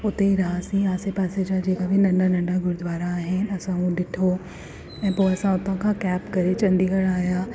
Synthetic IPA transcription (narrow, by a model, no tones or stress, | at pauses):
ʊt̪eɾɐɦaːsĩaːsepaːsed͡ʒad͡ʒeːkabʱinɐ̃ɳɖanɐ̃ɳɖaɡʊɾd̪ʱʋaːɾaːɦɪnɐsãɦũɗɪʈʰo | ɛ̃ːpoːɐsãʊt̪ãkʰãkɛːpkɐɾet͡ʃɐ̃nd̪iɡɐɽaːjaː